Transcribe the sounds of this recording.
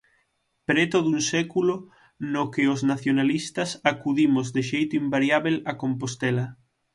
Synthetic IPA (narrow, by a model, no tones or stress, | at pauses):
pɾet̪oðunsɛkulo | nokeoznaθjonalist̪ɐsakuðimozd̪eʃejt̪oimbaɾjaβelakompost̪ɛlɐ